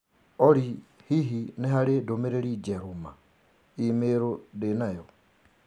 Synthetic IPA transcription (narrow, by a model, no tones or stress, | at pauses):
ɔɾihiɦineɦaɾedomeɾeɾid͡ʒɛɾuma | imeɾodenajɔ